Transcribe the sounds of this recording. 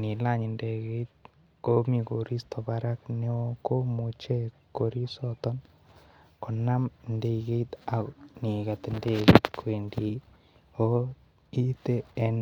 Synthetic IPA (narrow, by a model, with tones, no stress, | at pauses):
ni˨la˨ɲi˨nde˨ke˦t̪̚ | ko˦mi˨ko˨ɾi˦st̪ɔ˨baɾa˦kne˦oko˦mu˨t͡ʃe˦ko˨ɾi˦sɔt̪ɔ˦n | ko˨na˦mnde˦ke˦it̪a˨kni˨ka˨t̪ɪ˨nde˦kḭt̪kwe˨ndi˨ | o | i˦teː˦n